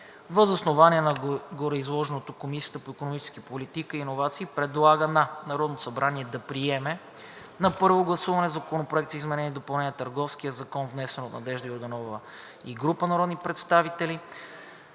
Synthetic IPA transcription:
vəzɐsnovaniɛnɐɡoɾoizlˠɔʒɛnot̪okomisijə̥t̪əpoikonomit͡ʃɛ̥skipolit̪ikəiːnovat̪siːpɾɛd̪lˠaɡənɐnɐɾɔd̪nosɐbɾaniɛd̪ɐpɾiɛmɛ | nɐpɤɾvoɡlˠɐsuvɐnɛzɐkonopɾoɛk̚t̪zizmɛnɛniɛd̪opɐlˠnɛnʲiət̪əɾɡɔfskiəzɐkɔnvnɛsɛnot̪nɐd̪ɛʒd̪əoɾd̪ɐnɔvə | iɡɾupənɐɾɔd̪nipɾɛt̪st̪avit̪ɛli

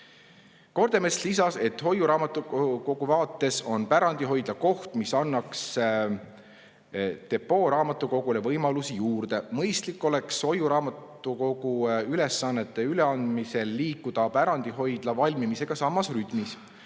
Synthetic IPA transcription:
ko̞ɾd̪̥emeslisɑse̞t̪ːˑho̞juɾɑːmɑt̪ːˑuko̞ɡ̥uvɑːt̪ˑːe̞so̞npæɾɑnd̪̥iɦo̞jd̪lɑko̞ht̪misɑnːɑks | t̪e̞pːo̞ːɾɑːmɑt̪ːˑuko̞ɡ̥ule̞vɤjmɑlusijuːrd̪̥e̞mɤjst̪likːˑo̞le̞kso̞juɾɑːmɑt̪ːˑ | uko̞ɡ̥uyle̞sːɑnːet̪ˑːe̞yle̞ɑnd̪̥mise̞lːiːkːˑud̪̥ɑpæɾɑnd̪̥iɦo̞jd̪̥lɑvɑlʲmimise̞ɡ̥ɑsɑmːɑsryt̪ˑmis

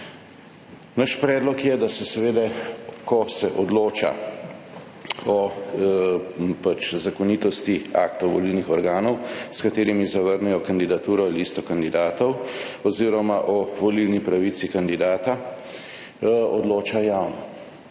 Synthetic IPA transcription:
naʃpɾɛːd̪lɔkjɛd̪asɛsɛʋeːd̪ɛkʰɔsɛʔɔd̪loːt͡ʃa̰ | ɔ | pat͡ʃzakɔniːt̪ɔst̪ia̰ːkt̪ɔʋɔ̰lilnixɔɾɡaːnɔwskat̪eːɾimizaʋəɾnɛjɔkand̪id̪at̪uːɾɔliːst̪ɔkand̪id̪aːt̪ɔwɔziːɾɔmaʔɔʋɔlilnipɾaʋit̪sikand̪id̪aːt̪a | ɔd̪loːt͡ʃajawnɔ

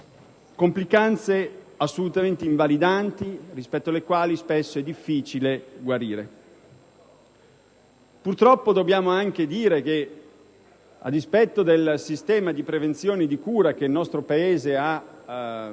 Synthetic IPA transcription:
komplikant̪se | asːolut̪ament̪eiɱvalid̪ant̪irispɛt̪ːoalekwaːlispesːoɛd̪ːifːiːt͡ʃileɡwaɾiːɾe | purt̪ɾɔpːod̪obːjaːmoaŋk̟ed̪iːɾeke | a̰d̪ːispɛt̪ːod̪elsist̪ɛːmad̪ipɾevent̪sjoːned̪ikuːɾak̟eilnɔst̪ɾopaeːzea

